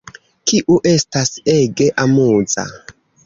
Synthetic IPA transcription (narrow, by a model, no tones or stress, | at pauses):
kiʔuʔestaseɡeʔamuz̥a̰